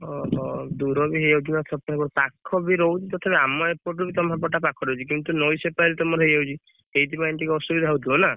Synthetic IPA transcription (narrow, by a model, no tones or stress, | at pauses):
ɔɦɔd̪uɾɔbiɦejawd͡ʒinɔt̪ʰɔpɔɾebɔɾɔpakʰːɔbiɾɔwt͡ʃʰit̪ɔt̪ʰapeamɔepoɾʈ̬ɾubit̪ɔmɦaɾpɔʈ̬apakʰɔɾɔwt͡ʃʰikint̪unɔjsepaɾet̪ɔmɔɾɦejawt͡ʃʰi | eit̪ipaint̪ikeɔsubid̪ʱaɦawt̪iɔna